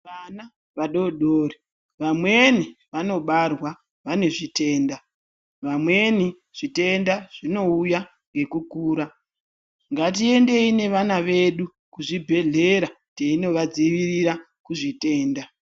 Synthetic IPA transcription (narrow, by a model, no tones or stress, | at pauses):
ʋana | ʋaɗo̞ɗoɾi | ʋamwe̞niʋano̞ɓarwa | ʋane̞ʐite̞ːnda | ʋamwe̞ni | ʐ̥ite̞ndaʐ̥ino̞uja | ŋɡe̞kukuːɾa | ŋɡat̬ie̞nde̞ine̞ʋanaʋe̞ɗu | kuʐibʱe̞ɮe̞ɾa | teino̞ʋad͡ziʋiriɾa | kuʐite̞ːnda